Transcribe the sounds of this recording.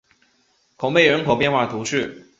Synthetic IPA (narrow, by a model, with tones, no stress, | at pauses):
kʰo˨˩ŋpe˥˩ɪɻə˧˥nkʰo˨˩ʊpjɛ˥˧nxwa˥˩t̪ʰu˧˥ʂɻ̩˥˩